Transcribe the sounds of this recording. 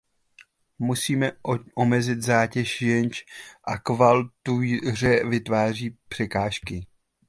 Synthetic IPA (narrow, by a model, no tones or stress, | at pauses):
musiːmɛʔomɛzɪt̪zaːcɛʃjɛɲt͡ʃʔakvalt̪urɛvɪt̪vaːr̝iːpr̝̥ɛkaːʃkɪ